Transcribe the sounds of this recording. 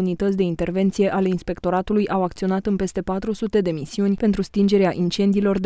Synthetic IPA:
unit̪ət̪sʲd̪e̞int̪e̞rve̞nt̪sije̞ʔale̞inspe̞kt̪o̞ɾat̪ulujʔawak̚t̪sio̞nat̪ɨnpe̞st̪e̞pat̪ɾusut̪e̞d̪e̞misiunʲpe̞nt̪ɾust̪ind͡ʒe̞ɾeaʔint͡ʃe̞nd̪iːlo̞rd̪

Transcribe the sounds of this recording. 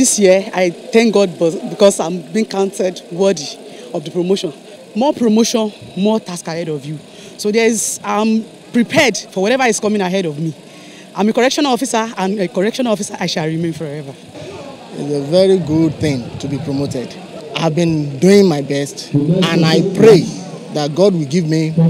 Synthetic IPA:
disjiaɪθɛ̃ŋk̚ɡɔd̚bɔbikɔsãmbĩŋkãʊ̃nsɛdwɜdi | ɔvdəpɹomoʃɔ̃n | mɔpɹomoʃɔ̃nmɔtaskahɛɾɔvju | sodɛizãm | pɹipʰɛdfɔwɔɾɛvaiskɔmĩŋaɦɛɾɔvmi | ʔãɪ̃mekɔɹɛkʃɔ̃nalɔfisaãnekɔɹɛkʃɔ̃nalɔfisaʔaɪʃalɹimẽnfɔɛva | ḭzevɛɹiɡud̚θɪ̃ŋtubipɹomotɛd | aɪvbĩnduĩŋmaɪbɛstãnaɪpɹe | ðat̚ɡɔd̚wilɡivmi

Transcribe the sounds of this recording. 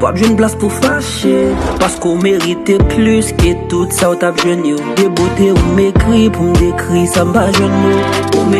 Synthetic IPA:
va̰pʒwɛ̃nblaspufaʃepaskũmeʁit̪eplysket̪ut̪saut̪apʒwɛnjod̪ebot̪eũmekʁipũd̪ekʁisãmbaʒwɛ̃nmoo̰m

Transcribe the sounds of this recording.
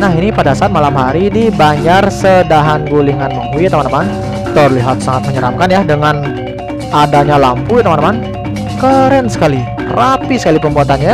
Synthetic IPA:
naɦinipadasaaːt̪̚malamɦaɾidibaɲarsədaɦanɡuliŋanmahuit̪amanaman | t̪ərliɦat̪̚saŋat̪̚məɲəɾamkanjadəŋan | ʔadaɲalampuit̪amanaman | kəɾənsə̥kali | rapisə̥kalipəmbuat̪anɲa

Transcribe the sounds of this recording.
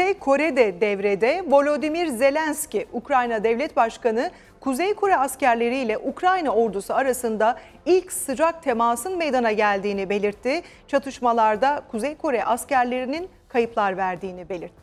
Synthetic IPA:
ejkʰo̞ɾɛd̪ɛd̪ɛvɾed̪ɛvo̞lʲo̞d̪imiɾze̞lʲænsciʔukɾajnad̪ɛvlʲɛt̪baʃkanɯ | kʰuzɛjkʰo̞ɾɛascæɾlʲe̞ɾijlʲɛʔukɾajnao̞ɾd̪usuaɾasɯnd̪a | ilʲcsɯd͡ʒak̚t̪ʰe̞maːsɯnme̞jd̪anaɟælʲd̪iːnibe̞lʲiɾt̪ʰːi | t͡ʃʰat̪ʰɯʃmalˠaɾd̪akʰuzɛjkʰo̞ɾɛʔascæɾlʲe̞ɾinin | kʰajɯplˠaɾvæɾd̪iːnibe̞lʲiɾt̪ʰːɪ

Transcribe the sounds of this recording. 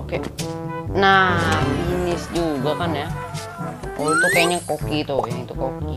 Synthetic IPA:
oke | nãβinĩsjujot̪ãnẽã | oet̪ot̪eɲãkokit̪ojãĩt̪ukoki

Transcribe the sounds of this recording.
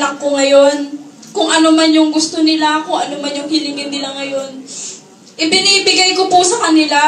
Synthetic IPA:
nɐkːo̞ŋɐjo̞n | kʊŋʔɐno̞manjʊŋɡʊst̪o̞nɪlaʔɐko̞ʔɐno̞manjʊŋhɪlɪŋɪd̪nɪlaŋɐjo̞n | ʔɪbɪniːbɪɡajko̞pʊsɐkɐnɪla

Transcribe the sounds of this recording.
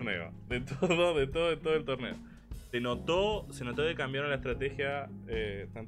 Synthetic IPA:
ɾnḛo̰ðet̪oðoðet̪oðoet̪oðoelt̪oɾnḛo̰ | senot̪osenot̪oðekambjaɾlaehst̪ɾat̪exjaet̪an

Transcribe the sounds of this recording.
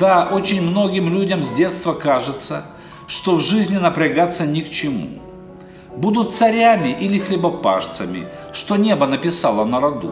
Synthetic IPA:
d̪̥aʔo̞t͡ɕɪnʲmno̞ɡʲɪmlʲudʲɐmzʲdʲe̞t̪st̪vəkaʐɨt̪sə | ʂt̪ovʐɨzʲnʲɪnəpɾʲɪɡat̪sːənʲɪkt͡ɕɪmṵ | bud̪ʊt̪̚t̪sɐɾʲamʲɪʔilʲɪxlʲɪbɐpa̰ʂt̪səmʲɪ̰ | ʂt̪o̞nʲe̞bənəpʲɪsalˠənəɾɐd̪ṵ

